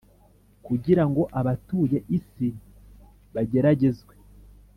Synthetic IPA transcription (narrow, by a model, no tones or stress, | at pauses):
kuɟiɾaŋɡo̞ʔaβatuːje̞ʔisi | βaɟe̞ɾaɟe̞zɡwe